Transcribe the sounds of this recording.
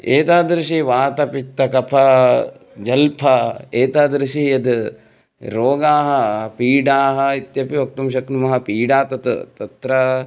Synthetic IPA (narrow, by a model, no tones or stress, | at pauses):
eːt̪aːd̪ɾiʃiʋaːt̪ɐpit̪ːɐkɐpʰɐ | d͡ʒɐlpʰɐeːt̪aːd̪ɾiʃijɐd̪ | ɾoːɡaːɦɐpiːɖaːɦɐit̪jɐpiʋɐk̚t̪umʃɐknumɐɦɐpiːɖaːt̪ɐt̪ut̪ɐt̪ɾɐ